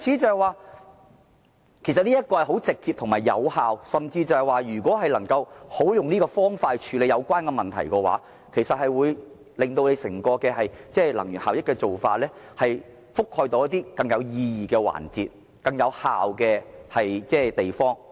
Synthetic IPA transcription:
t͡sʰiː˧˥t͡sɐ˨˧hɐ˨jwaː˨˧ | kʰe˨˩js̬ɐ˨t̚niː˥jɐ˥t̚kɔː˧hjɦo˨˥wt͡sɪ˨k̚t͡siː˧p̚t̪ʰʊ˨˩ŋmaː˨˩jːɐ̰˨˧whaː˨wsɐ˨mt͡siː˧t͡sɐ˨˩hɐ˨jwaː˨˧jyː˨˩kʷɔː˨˥ɦɐ˨jlɐ˨˩ŋkɐ˧who˨˥wjʊ˨ŋniː˥kɔː˧fɔː˥ŋfaː˧ht͡ʃʰyː˨˧le˨˧jɐ˨˧wkʷaː˥nkɛ˧mɐ˨˩nt̪ʰɐ̰˨˩jkɔː˧wa̰ː˨˥ | kʰe˨˩sɐ˨t̚hɐ˨jwuː˨˧j | lɪ˨ŋt̪o˧wne˨˧jsɪ˨˩ŋkɔː˧kɛː˧ɦɐ˨jt͡sɛː˥˩lɐ̰˨˩ŋjyː˨˩nhaː˨wjɪ˥kːɛ˧t͡so˨wfa̰ː˧t̚lɛː˥hɐ˨j | fʊ˥k̚hɔː˧jt̪o˨˧wjɐ˥t̪̚iː˥kɐ˧ŋjɐ˨˧wjiː˧jiː˨˩kɛː˧wa̰ː˨˩nt͡sḭː˨t̚ | kɐ˧ŋjɐ˨˧wha̰ː˨wkɛː˧hɐ˨jt͡sɛː˥t̪e˨jfɔː˥ŋ

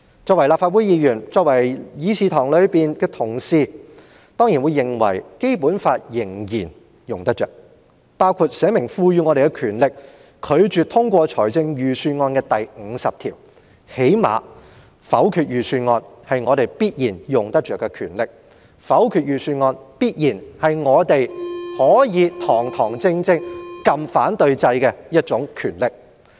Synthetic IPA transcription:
t͡sɔː˧k̚wɐ˨˩jla˨pfaː˧wu˨˥jiː˨˧jyː˨˩nt͡sɔː˧k̚wɐ˨˩jjiː˨˧siː˧t̪ʰɔː˨˩ŋlɵ˨˧ɥpiː˨nkɛː˧t̪ʰʊ˨˩ŋsiː˧ | t̪ɔː˥ŋjiː˨˩nwuː˨˧jːɪ˨˩ŋwɐ̰˨˩jke˥jpuː˨˥nfaː˧t̚jɪ˨˩ŋjiː˨˩n | jʊ˨ŋt̪ɐ˥t͡ʃœ̰ː˨k̚ | paː˥wkʰu˧t̚sɛː˨˥mɪ˨˩ŋfuː˧ɥyː˧ŋɔː˨˧ɾe˨jkɛ˧kʰyː˨˩nlɪ˨k̚ | kʰɵ˨˧ɥt͡ʃyː˨t̪ʰʊ˥ŋkʷɔː˧t͡ʃʰɔː˨˩jt͡sɪ˧ŋjyː˨syː˧nŋɔː˧nkɛː˧t̪ɐ˨jŋ̩˨˧sɐ˨p̚t̪ʰiː˨˩w | he˨˥jma̰ː˨˧ | fɐ˨˥wkʰyː˨t̚jyː˨syː˧nŋɔː˧nhɐ˨jŋɔː˨˧t̪e˨jpiː˥t̚jiː˨˩njʊ˨ŋt̪ɐ˥k̚t͡ʃœː˨kːɛ˧kʰyː˨˩nlɪ˨k̚ | fɐ˨˥wkʰyː˨t̚jyː˨˩syː˧nŋɔː˧npiː˥t̚jiː˨˩nhɐ˨jŋɔː˨˧t̪e˨jhɔː˨˥jiː˨˧t̪ʰɔː˨˩ŋt̪ʰɔː˨˩ŋt͡sɪ˧ŋt͡sɪ˧ŋkɐ˧mfaː˨˥nt̪ɵ˧ɥt͡sɐ˧jkɛː˧jɐ˥t̚t͡sʊ˨˥ŋkʰyː˨˩nlɪ˨k̚

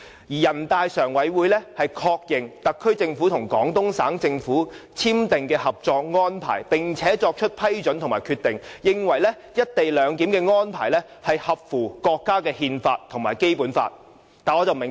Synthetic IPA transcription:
jiː˨˩jɐ˨˩nt̪aː˧jsœː˨˩ŋwɐ˨˥jwuː˨˧jlɛː˥hɐ˨jkʰɔː˧k̚jɪ˨ŋt̪ɐ˨kʰːɵ˥ɥt͡sɪ˧ŋfuː˨˥t̪ʰʊ˨˩ŋkɔː˨˥ŋt̪ʊ˥ŋsaː˨˥ŋt͡sɪ˧ŋfuː˨˥t͡sʰiː˥mt̪ɪ˨ŋkɛː˧hɐ˨p̚t͡ʃɔː˧k̚ŋɔː˥npʰa̰ː˨˩jpɪ˨ŋt͡sʰɛː˨˥t͡sɔː˧k̚t͡ʃʰɵ˥t̚pʰɐ˥jt͡ʃɵ˨˥nt̪ʊ˨˩maː˨˩jkʰyː˧t̪ːɪ˨ŋjɪ˨ŋwɐ˨˩jlɛː˥ | jɐ˥t̚t̪e˨jlœː˨˧ŋt̪̬iː˨˥mkɛː˧ŋɔː˥npʰaː˨˩jlɛː˥ | hɐ˨jhɐ˨p̚fuː˨˩kɔː˧kːaː˥kɛː˧hiː˧nfaː˧t̚t̪ʰʊ˨˩ŋmaː˨˩jke˥jpuː˨˥nfa̰ː˧t̚ | t̪aː˨˩nɔː˨˧t͡sɐ˨wmɪ˨˩ŋ

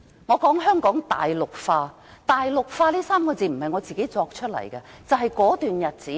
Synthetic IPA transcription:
ŋɔː˨˧kɔː˨˥ŋɦœː˥ŋkɔː˨˥ŋt̪a̰ː˨jlʊ˨k̚faː˧ | t̪aː˨jlʊ˨k̚faː˧liː˥saː˥mkɔː˧t͡siː˨˩m̩˨˩hɐ˨jŋɔː˨˧t͡siː˨ke˨˥jt͡sɔː˧k̚t͡ʃʰɵ˥t̚lɐ̰˨˩jkɐ˧t͡sɐ˨wɦɐ˨jkɔː˨˥t̪yː˨njɐ˨t̚t͡siː˨˥

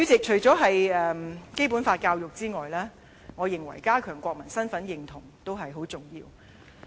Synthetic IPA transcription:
y˨˥t͡sɪ˨k̚t͡ʃʰɵ˨˩ɥt͡sɔː˨˥ɦɐ˨jɛː˨mke˥jpuː˨˥nfaː˧t̚kaː˧wjʊ˨˩k̚t͡siː˥ŋɔː˨jlɛː˥ | ŋɔː˨˧jɪ˨ŋwɐ̰˨˩jkaː˥kʰœː˨˩ŋkʷɔː˧k̚mɐ˨˩nsɐ˥nfɐ˨˥njɪ˨˧ŋt̪ʰʊ˨˩ŋt̪o˥wɦɐ˨jɦo˨˥wt͡sʊ˨˩ŋjiː˧w

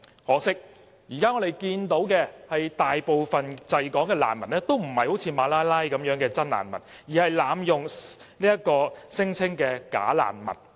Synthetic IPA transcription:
hɔː˨˥sɪ˥k̚ | jiː˨˩kaː˥ŋɔː˨˧d̪e˨jkiː˧nt̪o˨˥wkɛː˧hɐ˨jt̪aː˨jpo˨wfɐ˨nt͡sɐ˨˧jkɔː˨˥ŋkɛː˧la̰ː˨˩nmɐ˨˩nnɛː˥t̪o˥wm̩˨˩hɐ˨jho˨˥wt͡sʰiː˧maː˨˧laː˥jlaː˥jkɐ˨˥mjœː˨˥ŋkɛː˧t͡sɐ˥nla̰ː˨˩nmɐ˨˩njiː˨˩hɐ˨jlaː˨˧mjʊ˨ŋ | niː˥jɐ˥t̚kɔː˧sɪ˥ŋt͡sʰɪ˥ŋkɛː˧ka̰ː˨˥la̰ː˨˩nmɐ̰˨˩n̚

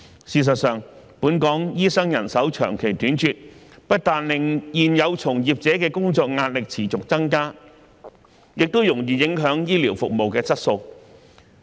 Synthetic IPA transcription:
siː˧s̬ɐ˨t̚sœː˨˩ŋ | puː˨˥nkɔː˨˥ŋjiː˥sɐ˥ŋjɐ˨˩nsɐ˨˥wt͡ʃʰœ̰ː˨˩ŋkʰe˨˩jt̪yː˨˥nt͡ʃyː˧t̚ | pɐ˥t̚t̪aː˨nlɪ˨ŋjiː˨njɐ˨˧wt͡sʰʊ˨˩ŋjiː˨p̚t͡sɛː˨˥kɛː˧kʊ˥ŋt͡sɔː˧k̚ŋaː˧t̚lɪ˨k̚t͡sʰiː˨˩t͡sʊ˨k̚t͡sɐ˥ŋkaː˥ | jɪ˨k̚t̪o˥wjʊ˨˩ŋjiː˨˩jɪ˨˥ŋɦœː˨˥ŋjiː˥liː˨˩wfʊ˨k̚mo˨wkɛː˧t͡sɐ˥t̚so˧w

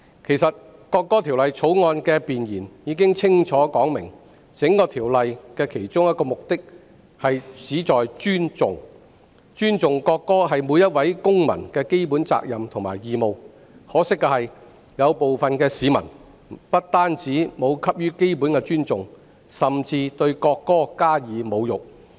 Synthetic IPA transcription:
kʰe˨˩jsɐ˨t̚kɔː˧kːɔː˥t̪ʰi˨˩wlɐ˨jt͡sʰo˨˥wŋɔː˧nkɛ˧piː˨njiː˨˩njiː˨˧k̬ɪ˥ŋt͡sʰɪ˥ŋt͡sʰɔː˨˥kɔː˨˥ŋmɪ˨˩ŋ | t͡sɪ˨˥ŋkɔː˧t̪ʰiː˨˩wlɐ˨jkɛː˧kʰe˨˩jt͡sʊ˥ŋjɐ˥t̚kɔː˧mʊ˨k̚t̪ɪ˥k̚ | hɐ˨jt͡siː˨˥t͡sɔː˨jt͡ʃyː˥nt͡sʊ˨ŋ | t͡ʃyː˥nt͡sʊ˨ŋkɔː˧kːɔː˥ɦɐ˨jmu˨˧jɐ˥t̚wɐ˨˥jkʊ˥ŋmɐ̰˨˩nkɛː˧ke˥jpu˨˥nt͡sa̰ː˧k̚jɐ˨mt̪ʰʊ˨˩ŋma̰ː˨˩jjiː˨mo˨˧w | hɔː˨˥sɪ˥k̚ːɐ˧hɐ˨j | jɐ˨˧wpo˨wfɐ˨nkɛː˧siː˨˧mɐ̰˨˩n | pɐ˥t̚t̪aː˥nt͡si˨˥mo˨˧wkʰɐ˥p̚jyː˥ke˥jp̬uː˨˥nkɛ˧t͡ʃyː˥nt͡sʊ˨˩ŋ | sɐ˨mt͡siː˧t̪ɵ˧ɥkɔː˧kːɔː˥kaː˥jiː˨˧mo˨˧wjʊ˨k̚

